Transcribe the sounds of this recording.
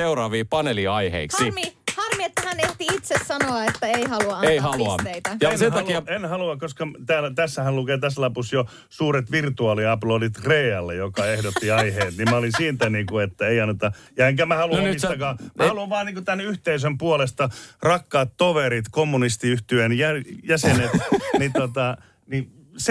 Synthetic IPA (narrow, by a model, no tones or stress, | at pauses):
eurɑːʋiːpɑneliɑihḛiksimihɑrmiet̪ːæhæneht̪iit̪sessɑnoɑet̪ːæeihɑluɑɑeihɑluɑtt̪eit̪ɑjɑensent̪ɑkiɑenhɑluɑkoskɑt̪æːlt̪æsːæhælukeːt̪æslɑpusjo | suːret̪ʋirt̪uɑːliɑploːdit̪reːɑlːejokɑehdot̪ːiɑiheːt̪nimmæolinsiːnt̪æniːkuet̪ːæeiɑnːet̪ɑjɑeŋkæmæhɑluɑmnist̪ɑkɑːmæhɑluɑʋʋɑːniŋkut̪ænːyht̪eisømpuolest̪ɑrɑkːɑːt̪toʋeɾit̪komːunist̪iyht̪yenjæjæsenet̪nit̪ot̪ɑ | ni | s